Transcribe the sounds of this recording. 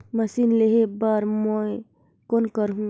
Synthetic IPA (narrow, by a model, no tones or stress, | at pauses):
mɐsinleɦebaɾmoe | konkəɾɦũ